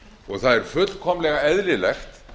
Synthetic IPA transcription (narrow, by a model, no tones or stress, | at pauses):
ɔɣθaðɛɾ̥fʏt̪l̥kʰɔmlɛɣaɛðlɪlɛxt̪